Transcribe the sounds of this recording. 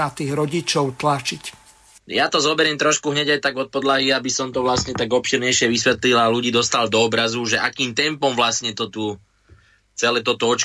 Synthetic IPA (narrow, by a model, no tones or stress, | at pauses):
at̪iːɣɾɔɟit͡ʃɔʊt̪lat͡ʃic | jat̪ɔzɔbɛɾɛmt̪ɾɔʃkuɦɲɛɟajt̪aɡɔt̪̚pɔd̪laɦiabisɔmt̪ɔʋlasɲɛt̪aɡɔpʃiɾɲɛjʃɪɛʋisʋɛt̪lilaluɟiːd̪ɔst̪ald̪ɔːbɾazuʒɛʔakiːmt̪ɛmpɔmʋlasɲɛt̪ɔt̪u | t͡sɛlɛːt̪ɔt̪ɔɔt͡ʃ